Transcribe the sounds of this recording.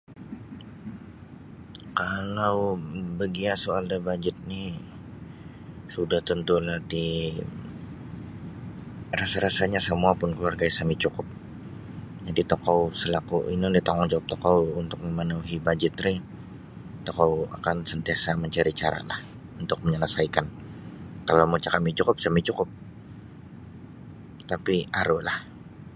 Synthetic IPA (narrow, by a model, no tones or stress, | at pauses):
kalawbəɡiasoaldabad͡ʒɪt̪̚ni | sudaht̪ənt̪ulahdi | rasaɾasaɲasəmuapʊnkəluarɡaisamit͡ʃukʊp̚ | d͡ʒadit̪okawsəlakuʔinudit̪aŋɔŋd͡ʒawap̚t̪okawunt̪ʊk̚məmənuɦibad͡ʒɪt̪ɾɪ | t̪okawa̰kansənt̪iasaməɲt͡ʃaɾit͡ʃaɾa̰lah | unt̪ʊk̚məɲələsaikan | kalowmut͡ʃakamit͡ʃukʊp̚samit͡ʃukʊp̚ | t̪apiaɾulah